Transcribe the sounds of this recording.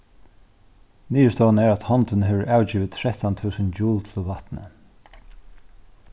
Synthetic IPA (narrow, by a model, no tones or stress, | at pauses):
niːəst̪ɔːanɛɹæt̪hɔnt̪ɪnɦɛːʋəɹʔaːwt͡ɕiːʋɪt̪ʰɾɛht̪ant̪ʰʉːsənd͡ʒuːlt̪ʰɪlvat̪nə̰